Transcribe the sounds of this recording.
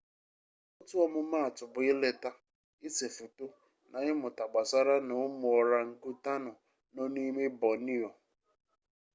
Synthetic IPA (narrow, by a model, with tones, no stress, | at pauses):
ɔ˦tʊ˦ɔ˦mʊ˦ma˦a˨tʊ˨bʊ˨ɪ˦le˨ta˦ | ɪ˦se˨fu˨tʊ˦ | na˨ɣɪ˦mʊ˨ta˨ɡ͡ba˨sa˦ɾa˦nʊ˨ʊ˦mʊ˨ɔ˨ɾa˨ŋ̩˨ku˦ta˦nʊ˨ | no˦ni˦me˦bɔ˨ni˦ɔ˨